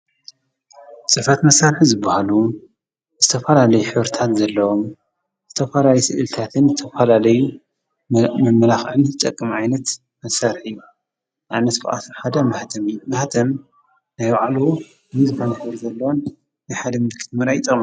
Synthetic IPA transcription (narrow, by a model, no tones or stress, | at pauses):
t͡sʼɨfɐt̪mɐsaɾħizɨbːahalu | z̥ɨt̪ʰɐfɐlalɐjuħɨβɾit̪ʰat̪zɐlːɐwom | z̥ɨt̪ʰɐfɐlaljusɨʔɨlt̪ʰat̪ʰɨnzɨt̪ʰɐfɐlalɐju | mɐmɐlaxʕɨnzɨt̪ʼɐkʼːɨmʕajnɐt̪ | mɐsaɾħɨjːu | ʔajnɐt̪fɨ̰ʔʼa̰t̪ħad̪ɐmɐht̪ʰɐmɨjːumɐht̪ʰɐm | najwaʕlu | ɨnɨzɨxonɐħɨβɾzɐlːɐwonː | ajħad̪ɐmɨd̪kʰɨ̥t̪mɨɾajit̪ʼɐm